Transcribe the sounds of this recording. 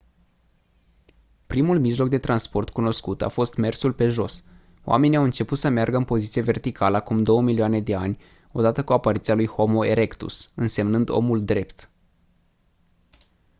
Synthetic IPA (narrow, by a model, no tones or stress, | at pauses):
pɾimulmiʒlo̞k̚d̪e̞t̪ɾanspo̞rt̪kuno̞skut̪a̰fo̞st̪me̞rsulpe̞ʒo̞s | oa̰me̞niawɨnt͡ʃe̞put̪səmearɡəɨnpo̞zit̪sieve̞rt̪ikaləakumd̪o̞wəmilioane̞d̪e̞anʲ | o̞d̪at̪əkuapaɾit̪sialujho̞mo̞eɾe̞kt̪ṵsɨnse̞mnɨnd̪o̞̰muld̪ɾe̞pt̪